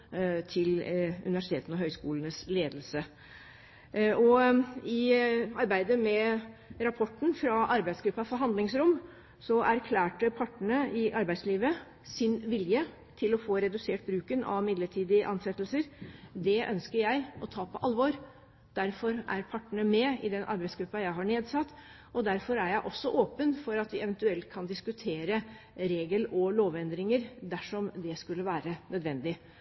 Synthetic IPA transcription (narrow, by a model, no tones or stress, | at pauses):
t̪ʰɪlʉ̰nɪʋæʂɪt̪ʰeːt̪ənɔɦœʏskuːlənəsleːd̪lsə | ɔɪɑɾbæɪd̪əmɛɾɑpʰɔʈːɳ̩fɾɑʔɑɾbæɪsɡɾʉpːɑfɔɾɦɑnd̪lɪŋsɾʊm | sɔʔæɾkʰlæːʈəpʰɑʈːəɳəɪʔɑɾbæɪd̪sliːʋə | sɪnʋɪljə | t̪ʰɪlɔfoːɾɛd̪ʉseːʈ̚bɾʉːkənɑ̰ʋmɪd̪ləʈʰiːd̪ɪʔɑnsɛt̪lsəɾd̪ɛʔœ̰nskəɾjæɪɔt̪ʰɑːpʰɔʔɑlʋɔɾ | d̪̥æɾfɔɾʔæ̰ɾpʰɑʈːəɳəmɛɪd̪ɛnʔɑ̰ɾbæɪsɡɾʉpːɑjæɪɦɑɳeːd̪sɑt̪ː | ɔd̪æɾfɔɾæɾjæɪʔɔsːɔʔoːpənfɔɾɑt̪ʋɪɛʋənt̪ʉɛlt̪kʰɑnd̪ɪskʉt̪ʰeːɾə | ɾeːɡəlɔloːʋɛnd̪ɾɪŋəɾd̪æʂɔmd̪ɛskʉlːəʋæːɾənœd̪ʋɛnd̪ɪ